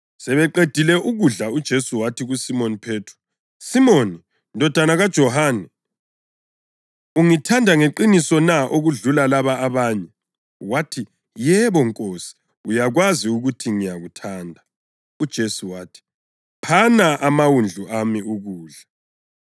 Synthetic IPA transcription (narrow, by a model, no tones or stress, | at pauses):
sɛβɛǃed̥ʱilɛʔuɣuɮaud̥ʒ̥ʱesuwatʰiɣusimonipʰeːtʰru̥ | simoːni | ndʱɔd̥ʱanaɣad̥ʒ̥ʱɔɦaːnɛ | uŋitʰandʱaŋeǃinisɔnaʔoɣuɮulalaβaːβaːɲɛ | watʰi | jɛβɔŋkʼoːsi̥ | ujaɣwaziuɣutʰiŋijaɣutʰaːndʱa | ud̥ʒ̥ʱesuwaːtʰi̥ | pʰanaʔamawund͡ɮʱuʔamiuɣuːɮa